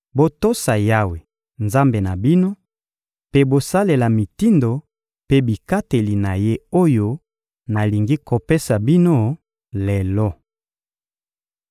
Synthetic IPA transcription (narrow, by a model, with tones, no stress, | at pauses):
bo˦to˦sa˨ja˦we˨ | nza˦mbe˨na˨bi˦no˦ | pe˦bo˨sa˦le˨la˨mi˨ti˦ndo˨ | pe˦bi˨ka˦te˨li˨na˨je˦o˦jo˦ | na˨li˨ŋɡi˦ko˨pe˦sa˨bi˦no˦ | lɛ˨lɔ˦